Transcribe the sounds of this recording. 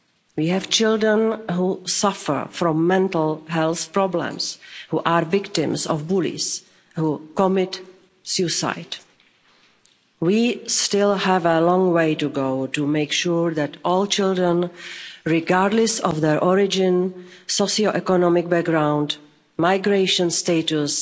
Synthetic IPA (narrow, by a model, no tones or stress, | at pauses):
wiːɦɛvt͡ʃɪldɹə̃nɦusafə̰ɹfɾɔ̃mːɛ̃ntl̩ɦɛlˠθpɹɔblɛ̰̃mshuːʔaɹvɪktɪ̰̃msɔ̰fbulḭs | huːkɔmɪt | sjusa̰ɪt | wiːstɪlhɛvəlɔ̃ŋweɪtuɡoʊtumeɪkʃuɹðɛtʔɔːlt͡ʃɪldɹə̃nɹɪɡaːɾdlɛsɔfðɛɹʔɔɹɪd͡ʒɪ̃nsosioʔɛkɔnɔmɪk̚bɛk̚ɡɾãw̃nd | maɪɡɾeɪʃə̃nsteɪtus